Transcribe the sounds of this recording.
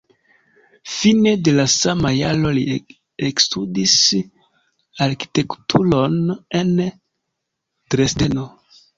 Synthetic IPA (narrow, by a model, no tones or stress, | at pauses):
fine̞de̞lasamajalo̞li | ekstudis | aɾki̥te̞ktʰulo̞nen | tɾesde̞no